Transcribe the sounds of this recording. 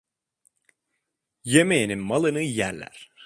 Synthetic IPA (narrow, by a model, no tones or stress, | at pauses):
jemejeninmalˠɯnɯjæɾlʲæ̰ɾ̥